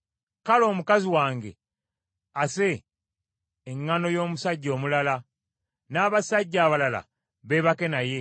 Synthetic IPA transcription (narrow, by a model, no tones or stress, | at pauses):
kalo̞ːmukaziwaːŋɡe̞ | ase̞ | ŋːano̞jo̞ːmusaɟːo̞ːmulala | naːβasaɟːaːβalala̰ | βe̞βake̞naje̞